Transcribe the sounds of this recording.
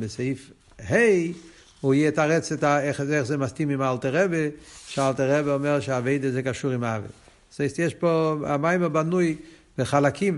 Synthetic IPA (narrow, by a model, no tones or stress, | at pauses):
bəseɪf | heɪ | ujetaʁɛt͡sɛtaɛχɛχzemaskimɪmalˠtəʁɛbəʃɪalˠtəʁɛbəɔmɛʁʃɪaːveɪdəzeɪkaʃuːʁɪmavə̰ | sheɪstjɛʃpoa̰maɪməbanuɪ | b̥əχalˠakʰim